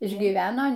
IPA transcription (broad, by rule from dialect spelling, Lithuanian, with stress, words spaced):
ɪʒʲɡʲiːˈʋʲæːnoː